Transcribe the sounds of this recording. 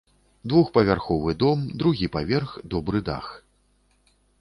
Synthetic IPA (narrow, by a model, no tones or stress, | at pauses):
d̪vuxpɐvʲarxɔvɨd̪ɔmd̪ɾuɣʲipavʲɛrxd̪ɔbɾɨd̪a̰x